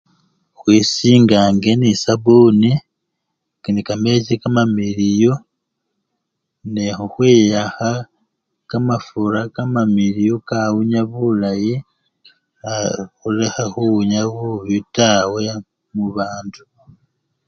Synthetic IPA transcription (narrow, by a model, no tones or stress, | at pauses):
xwiːsiːŋɡaːŋɡe̞nisaβuːni | knikamecikamamiɾijo | nexuxwiːjaxa | kamafuɾakamamiɾijokawuɲaβulaji | axulexaxuuɲaβuβutawe̞ | muβaːntu